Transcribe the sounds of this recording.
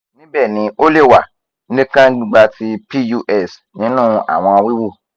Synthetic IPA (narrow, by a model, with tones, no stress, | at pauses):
nĩ˦bɛ˦˨nĩ˨˦o˦le˦˨wa˨˦ | nĩ˦kã˦ɡ͡bi˦ɡ͡ba˧ti˧pi˦ju˧ʔɛ˦˨s | nĩ˨˦nũ˦˨a̰˨w̃ɔ̃˧a˧wi˦wo˦˨